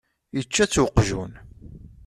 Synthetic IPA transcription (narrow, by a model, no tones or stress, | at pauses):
jət͡ʃːæt͡sːwəqːʒun